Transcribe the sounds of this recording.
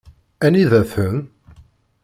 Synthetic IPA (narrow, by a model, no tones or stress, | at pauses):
æniðæθən